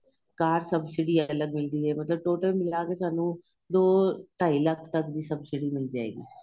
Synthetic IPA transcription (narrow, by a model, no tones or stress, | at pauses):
kaːɾsəbsɪɖiːəələɡmɪld̪iːɦɛːmət̪ləb̚ʈoːʈəlmɪlaːkeːsaːnũː | d̪oːʈʰaːiləkʰt̪əkd̪iːsəbsɪɖiːmɪld͡ʒaːḛːɡḭː